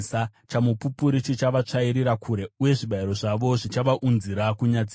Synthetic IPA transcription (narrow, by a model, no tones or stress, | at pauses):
sat͡ʃamupupuɾit͡ʃit͡ʃaʋat͡ʂaiɾiɾakʰuɾe̞uje̞ʐiɓaiɾo̞ʐaʋo̞ʐit͡ʃaʋaʔunziɾakuɲad͡z